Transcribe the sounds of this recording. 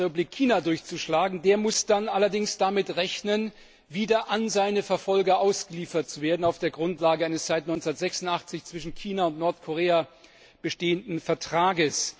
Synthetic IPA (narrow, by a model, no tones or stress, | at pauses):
ɛpʊblɪkʰːiːnadʊɐçt͡suʃlaːɡŋ̩deːɐmʊsd̥anʔalɐdɪŋsd̥amɪtʁɛçnən | viːdɐʔanzaɪnəfɛɐfɔlɡɐʔaʊsɡ̥əliːfɐt̚t͡suveːɐdn̩aʊfd̥eːɐɡʁʊntlaːɡəaɪnəst͡saɪtnɔʏnt͡sndɐtz̥ɛksʊntʔaχt͡sɪçt͡sv̥ɪʃn̩kʰiːnaʊntnɔɐtkʰoʁeːa | b̥əʃteːəndn̩fɛɐtʁ̥aːɡəs